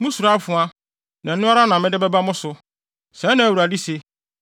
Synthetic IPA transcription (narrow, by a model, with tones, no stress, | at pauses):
mʊ̃˦su˨ɾa˦fʊ̃˨a˦ | nã˨n̩˦ʊ̃˦a˦ɾa˦nã˨mɪ̃˦dɪ˦bɛ˦ba˦mʊ̃˦sʊ˨ | sɛ̃˨˦nã˨u˨ɾa˨di˦se˨